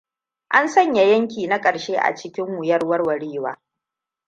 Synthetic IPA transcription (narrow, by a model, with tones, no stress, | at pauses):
ʔa˦nsɐ˦ɲja˨jɐ˦ŋkʲiː˨na˦kʼɐ˨ʃeː˦ʔa̰˨t͡ʃɪ˦kʲɪ˦mːʊ˨jɐ˦rwɐ˦rwɐ˨ɽiː˦waː˦